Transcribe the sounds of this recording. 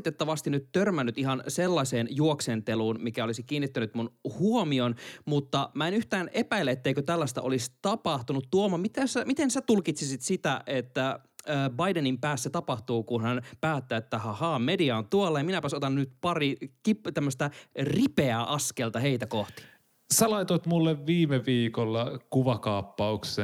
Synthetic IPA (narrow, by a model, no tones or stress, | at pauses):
t̪et̪ːɑʋɑst̪inyt̪tørmænːyt̪iɦɑnselːɑseːnjuoksent̪eluːnmikæolisikiːnːit̪ːænyt̪munhuomionmut̪ːɑmæenyht̪æːnepæilːæet̪ːeikøt̪ælːæst̪æ̰ʔolist̪ɑpɑht̪unut̪ːuomɑmit̪æsæmit̪ensæt̪ulkit̪sisit̪sit̪æʔet̪ːæːbɑidenimpæːsːæt̪ɑpɑht̪uːkunhænpæːt̪ːæːet̪ːæhɑhɑːmediɑont̪uolːɑjɑminæpæsot̪ɑnunyt̪pɑrikipt̪æmːøst̪æripeæːʔɑskelt̪ɑheit̪ækoht̪i̥ | sælɑit̪ot̪mulːeʋʋiːmeʋiːkolːɑkuʋɑkɑːpːɑukse